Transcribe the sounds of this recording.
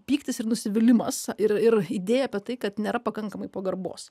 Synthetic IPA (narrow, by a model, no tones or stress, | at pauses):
pʲiːkt̪ʲɪsɪɾnʊsʲɪʋʲɪlʲɪmɐsɪrɪɾiːd̪ʲeːjɛɐːpʲiɛt̪ɐɪkɐt̪nʲeːɾɐpɐkɐŋkɐmɐɪpoːɡɐrbo̰ːs